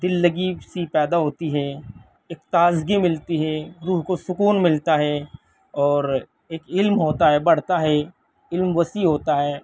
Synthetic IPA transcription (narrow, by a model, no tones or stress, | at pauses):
d̪ɪlːɐɡisipɛːd̪aɦoːt̪iɦɛː | ɪkt̪aːzɡimɪlt̪iɦɛːɾuːɦkosʊkuːnmɪlt̪aɦɛː | ɔːɾ | eːkɪlmɦoːt̪aɦɛbɐɽ̤t̪aɦɛ | ɪlmʋɐsiɦoːt̪aɦɛː